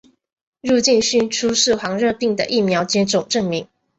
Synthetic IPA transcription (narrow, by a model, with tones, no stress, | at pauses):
ɻu˥˧t͡ɕi˥˧nɕy˥˧nʈ͡ʂʰu˥ʂɻ̩˥˩xwɑ˧˥ŋɻɤ˥˧pi˥˩ŋd̪ə̰˨ʔi˥˩mjɑ˧˥ʊt͡ɕɛ˥ʈ͡ʂʊ˨˩ŋʈ͡ʂɤ˥˩ŋmi˧˥˦ŋ